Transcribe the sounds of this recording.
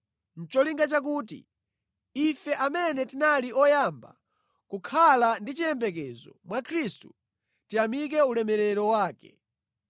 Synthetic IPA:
n̩t͡ʃɔliŋɡat͡ʃak̬uːtḭ | ifɛʔamɛnɛtinaliɔjamba̰ | kukʰalandit͡ʃiɛmbɛk̬ɛzɔ̰mwakʰɾistu | tiamik̬ɛulɛmɛɾɛɾɔwaːkɛ

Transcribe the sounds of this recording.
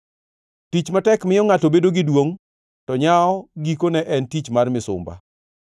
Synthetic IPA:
tit͡ʃmatɛkmɪjɔŋatobedoɡɪdwoŋ | tɔɲaɔɡikonɛʔɛntit͡ʃmarmɪsʊ̰mba̰

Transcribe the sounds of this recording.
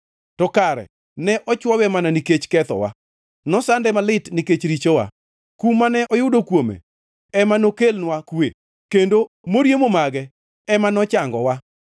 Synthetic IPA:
tɔkaɾɛ̰ | nɛʔɔt͡ʃwɔwɛmananiket͡ʃkɛt̪ɔ̰wa̰ | nɔsandɛmalɪtniket͡ʃɾit͡ʃowa̰ | kumːanɛʔɔjʊdokwomḛ | ɛmanokelnwakwe | kendo | moɾjemomaɡɛ | ɛmanɔt͡ʃaŋɡɔwa

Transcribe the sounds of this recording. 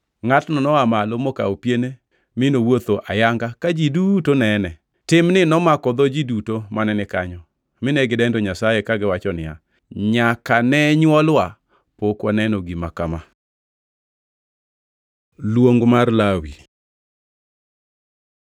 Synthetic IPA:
ŋatnɔnɔamalomɔka̰opjene | mɪnowot̪oʔajaŋɡakad͡ʒidutonɛnɛ | tɪmnɪnɔmakɔd̪ɔd͡ʒidutomanɛnɪkaɲɔ | mɪnɛɡɪdɛndɔɲasajekaɡɪwat͡ʃɔnɪja̰ | ɲakanɛɲwɔlwa | pokwanɛnɔɡimakama | lwoŋɡmarlawi

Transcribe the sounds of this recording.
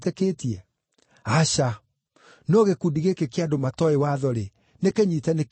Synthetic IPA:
teketiɛ | aɕa | nɔɣekudiɣekekeadomatɔewaðɔɾe | nekeɲitɛnek

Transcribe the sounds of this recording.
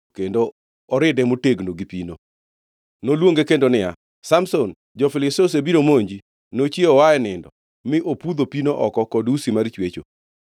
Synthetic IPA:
kendo | ɔɾɪdɛmoteɡnoɡipino | nolwoŋɡekendonɪja̰ | samson | d͡ʒɔfɪlɪsosebiɾomoɲd͡ʒi | not͡ʃeɔwaɛnɪndɔ | mɪʔopud̪opinoʔɔkɔkɔdusimart͡ʃwet͡ʃo̰

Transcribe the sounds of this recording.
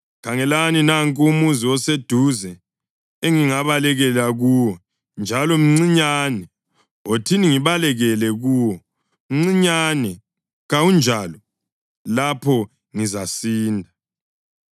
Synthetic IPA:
kʰaŋɛlaninaŋkʼumuziwɔsed̥ʱuzɛ | eŋiŋaβalɛɣɛlaɣuːwɔ | nd͡ʒʱalɔm̩ŋ͡ǀiɲanɛ | otʰiniŋiβalɛɣɛlɛɣuːwɔ | m̩ŋ͡ǀiɲanɛ | ɣawund͡ʒʱalɔ | lapʰɔ | ŋizasiːndʱa

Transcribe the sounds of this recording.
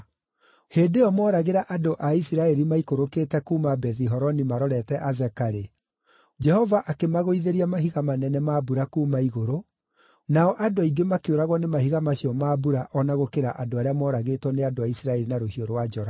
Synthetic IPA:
heːdeɔmɔɾaɣeɾaʔadoʔaisiɾaɛɾimaikoɾoketɛkuːmabɛðiɦɔɾɔnimaɾɔɾɛtɛʔazɛkaɾe | d͡ʒɛhɔvaʔakemaɣoiðeɾiamaɦiɣamanɛnɛmabuɾakuːmaiɣoɾo | naɔʔadoiɡemakeoɾaɣwɔnemahiɣamaɕiɔmaːbuɾaʔɔnaɣokeɾaʔadoaɾeamɔːɾaɣetwɔneadoaisiɾaɛɾinaɾohioɾowad͡ʒɔɾa

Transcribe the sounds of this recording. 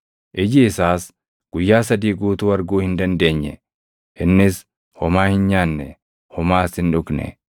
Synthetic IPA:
ʔɪd͡ʒɪːsaːs | ɡ̥ʊjːaːsɐd̪iːɡuːt̪ʊːɐɾɡuːhɪnd̪ɐnd̪e̞ːɲːɛ̰ | ʔɪnːɪs | hɔmaːhɪnɲaːnːɛ | hɔmaːshɪnᶑʊknɛ̰

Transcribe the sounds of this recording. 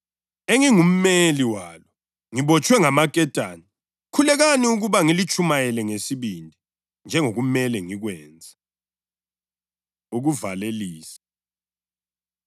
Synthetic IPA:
eŋiŋum̩meliwaːlɔ | ŋiβɔt͡ʃʼwɛŋamakʼɛtʼaːni | kʰulɛɣaniuɣuβaŋilit͡ʃʼʰumajɛlɛŋesiβindʱi | nd͡ʒʱɛŋoɣumɛlɛŋiɣwɛːnd͡zʱa | uɣuvaleliːsḁ

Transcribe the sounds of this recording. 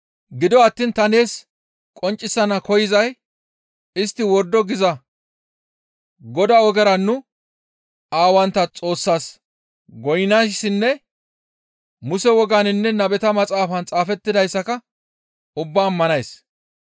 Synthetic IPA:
ɡɪd̪ɔɐt̪ːiːnt̪ɐne̞ːs | kʼɔnt͡ʃʼːɪsːɐnɐkɔjɪzɐj | ɪst̪ːɪwɔɾd̪ːɔɡɪzɐ | ɡɔd̪aɔɡɛɾɐnːʊ | aːwɐnt̪ːɐt͡sʼo̞ːsːaːs | ɡɔjɪnasːɪnːɛ | mʊsɛwɔɡaːnɪnːɛnɐbɛt̪ɐmɐt͡sʼaːfɐnt͡sʼaːfɛt̪ːɪd̪ɐjsːɐkɐ | ʊbːaːmːɐnɐjs

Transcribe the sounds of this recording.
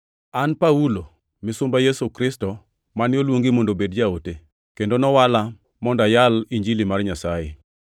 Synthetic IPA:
anpaulo | mɪsʊmbajesukɾɪstɔ | manjolwoŋɡimondobedd͡ʒaote | kendonɔwala | mɔndajaliɲd͡ʒilimarɲasaje

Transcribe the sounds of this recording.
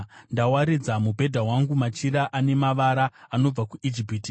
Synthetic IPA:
ndawaɾid͡zamubʱe̞dʱaɦwaŋɡumat͡ʃiɾaʔane̞maʋaɾaano̞b͡vakuʔid͡ʒipiːti

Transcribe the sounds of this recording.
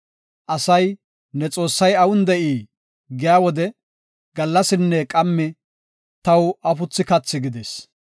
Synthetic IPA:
ʔɐsɐj | nɛt͡sʼo̞ːsːɐjɐwʊnd̪ɛʔiː | ɡɪjaːwɔd̪ɛ | ɡ̥ɐlːɐsɪnːɛkʼɐmːɪ | t̪ɐwɐfʊt͡sːɪkɐt͡sːɪɡɪd̪eːs

